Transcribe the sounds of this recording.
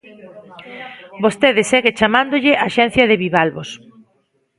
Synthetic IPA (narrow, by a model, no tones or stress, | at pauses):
bost̪eðɪseɣet͡ʃamãnd̪oʎɪʔaʃɛn̟θjɐðeβiβalβos